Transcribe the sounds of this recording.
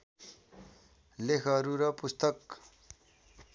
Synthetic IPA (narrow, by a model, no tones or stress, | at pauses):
lekʰʌɾuɾʌpust̪ʌk